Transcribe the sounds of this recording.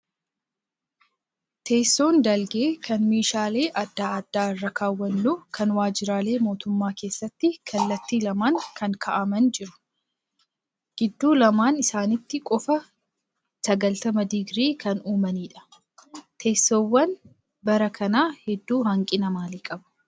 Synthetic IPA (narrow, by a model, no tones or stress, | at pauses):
t̪ʰe̞ːsːo̞ːnd̪ɐlɡeːkʰɐnmiːʃaːle̞ːʔɐd̪ːaːɐd̪ːaːɪrːɐkaːwːɐnːuːkʰɐnwaːd͡ʒɪɾaːle̞ːmo̞ːt̪ʊmːaːke̞ːsːɐt̪ːɪkʰɐlːɐt̪ːiːlɐmaːŋkʰɐŋkʰɐʔɐmɐnd͡ʒɪɾʊ̥ | ɡ̥ɪd̪ːuːlɐmaːnɪsaːnɪt̪ːɪkʼɔfɐ | sɐɡɐlt̪ɐmɐd̪ɪɡɾiːkʰɐnuːmɐniːᶑɐ̥ | t̪ʰe̞ːsːoːwːɐn | bɐɾɐkʰɐnaːhɛd̪ːuːhɐŋkʼɪnɐmaːliːkʼɐbɐ̥